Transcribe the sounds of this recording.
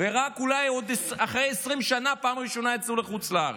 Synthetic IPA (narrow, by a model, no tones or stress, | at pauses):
veʁakulajo̞d̪esaχʁejesʁimʃanapaːmʁiʃo̞naet͡sluleχut͡slaa̰ʁe